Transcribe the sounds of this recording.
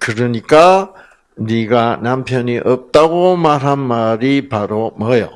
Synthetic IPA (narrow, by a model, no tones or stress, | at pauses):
kɯɾʌɲik͈a | niɡanampʰjʌniʔʌp̚t͈aɡomaɾɦanmaɾipaɾomʌjʌ